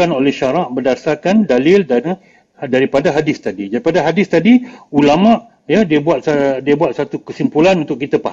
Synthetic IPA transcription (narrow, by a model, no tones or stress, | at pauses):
anolɛhʃaɾaʔbərdasarkandalɪlda | daɾipadaɦadɪst̪adidaɾipadaɦadɪst̪adiulamãʔ | jədiəbuat̪̚sadiəbuat̪̚sat̪ukəsimpulanunt̪ʊʔkit̪apa